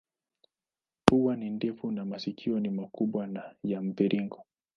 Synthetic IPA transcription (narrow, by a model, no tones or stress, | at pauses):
puwanindɛfunamasikʰiɔnimakuɓwanajam̩piɾʔiŋɡɔ